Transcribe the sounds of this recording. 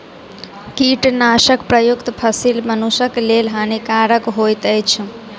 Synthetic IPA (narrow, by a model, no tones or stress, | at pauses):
kiʈnaʃəkpɾəjukt̪pʰəsilmənuʃəklelɦanikaɾəkɦojt̪əjt͡ʃʰ